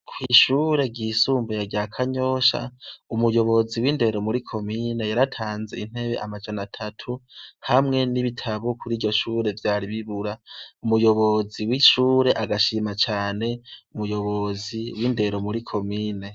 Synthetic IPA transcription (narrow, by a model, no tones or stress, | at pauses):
kʰwiːʃuːɾe̞ɟisuːmbejaɟaːkʰaɲo̞ʃa̰umujo̞βo̞ziwiːnde̞ɾo̞muɾikʰo̞mine̞jaɾatʰaːnze̞̰in̥he̞βe̞̰ʔamad͡ʒanatʰatʰuhamŋe̞niβitʰaβokʰuɾiːɾɟo̞ʃuːɾe̞vjaːɾiβiβuɾaumujo̞βo̞ziwiʃuːɾe̞ʔaɡaʃiːmat͡ʃaːne̞umujo̞βo̞ziwiːnde̞ɾo̞muɾikʰo̞miːne̞